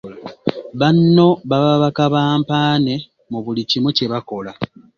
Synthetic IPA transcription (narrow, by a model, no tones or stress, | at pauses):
βanːo̞βaβaβakaβaːmpaːne̞ | muβulicimoce̞βako̞la